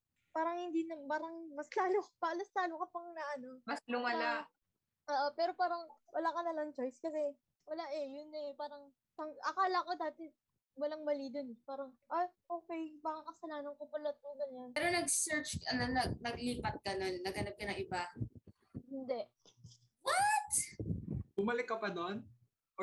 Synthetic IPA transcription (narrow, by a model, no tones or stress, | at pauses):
paːɾɐŋhɪnd̪inɐpaːɾɐŋmɐslaːlokpɐlɐslaːlokɐpɐŋnɐʔɐno̞mɐslʊmɐla | ʔoːʔopɛːɾo̞paːɾɐŋwɐlaːkɐnɐlɐŋt͡ʃojskɐsɛ | wɐlaʔɛjʊnɛpaːɾɐŋ | t̪ɐŋʔɐkaːlɐko̞d̪aːt̪ɛ | wɐlaŋmɐlid̪onɛpaːɾɐŋʔaʔo̞ːkɛjmɐkakɐsɐlaːnɐŋkopɐlɐt̪̚koɡɐɲanɛɾo̞nɐɡsɛɹt͡ʃkɐnonɐɡnɐɡliːpɐt̪̚ɡɐno̞nːɐɡhɐnɐp̚kɐnɐŋʔɪba | hɪnd̪ɛʔ | wɐt̪̚ | bʊmɐlɪkːɐpɐd̪on